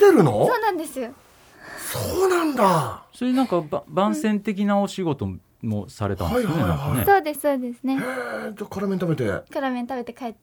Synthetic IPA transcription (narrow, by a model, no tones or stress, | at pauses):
t̪eɾɯ̟no̰so̞ːnãnd̪e̞sɨjo | soːnãnd̪asoɾenãŋkababãɰ̃sẽ̞nt̪e̞k̬ʲinaoɕiɡo̞t̪o̞ | mo̞sa̰ɾe̞t̪ã̰naisoneanãhkaaneso̞ːd̪e̞sɨ̥so̞ːd̪e̞sɨne̞ed͡ʑakaɾamẽnt̪abe̞t̪e̞̰kaɾamẽ̞nt̪abe̞t̪e̞kaet̪ː